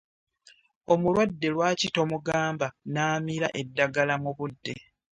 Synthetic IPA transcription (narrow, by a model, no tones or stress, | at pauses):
o̞mulwadːe̞lwaːcito̞muɡaːmbanaːmiɾaʔe̞dːaɡalamuβudːe̞